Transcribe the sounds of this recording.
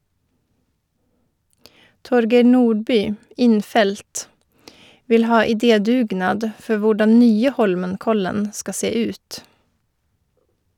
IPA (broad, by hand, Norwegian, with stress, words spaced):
ˈtɔɾɡeɪ ˈnuːɖˌbyː ˈɪnˌfɛlt ˈʋɪl ˈhɑː ɪˈdeːˌdʉːˌɡnɑːd ˈfɔ ˈʋʊɖɑn ˈnyːə ˈhɔlmənˌkɔlən ˈskɑ ˈseː ˈʉːt